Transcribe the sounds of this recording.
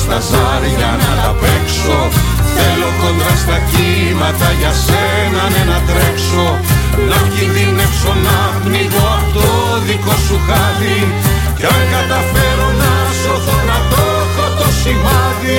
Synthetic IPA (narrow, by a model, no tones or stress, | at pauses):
st̪ɐzɐɾiʝɐnɐt̪ɐpe̞ksoθe̞lo̞ko̞nd̪ɾɐst̪ɐci | mɐt̪ɐʝɐse | nɐnenɐt̪ɾekso̞ | ðociðinekso̞nɐ | niɣoɐft̪o | ðikosuxɐði | coɡɐt̪ɐfe̞ɾunɐ | soθonɐt̪o | xot̪osivɐði